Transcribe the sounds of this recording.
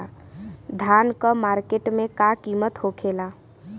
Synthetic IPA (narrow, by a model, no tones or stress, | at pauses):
d̪ʱankəmaɾkeʈmẽkakimət̪hokʰela